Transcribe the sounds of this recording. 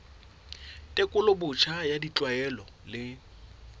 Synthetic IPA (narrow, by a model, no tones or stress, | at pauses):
tʼekʼʊlʊbʊt͡ʃʰajadit͡ɬʼwaɛlɔ | lɪ